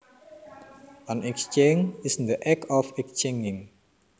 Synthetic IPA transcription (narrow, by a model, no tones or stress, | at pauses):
ʔanɛkst͡ʃeŋɪsnd̪əʔɛkɔfɛkst͡ʃeŋɪŋ